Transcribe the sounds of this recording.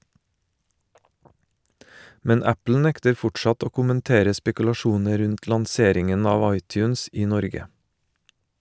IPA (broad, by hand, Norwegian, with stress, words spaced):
ˈmɛn ˈæpl̩ ˈnɛktəɾ ˈfʊʈʃɑt ˈoː kʊmənˈteːɾə spɛkʉlɑˈʃuːnə ˈɾʉnt lɑŋˈseːɾɪŋən ˈɑːʋ ˈɑɪˌtjʉːns ˈiː ˈnɔɾɡə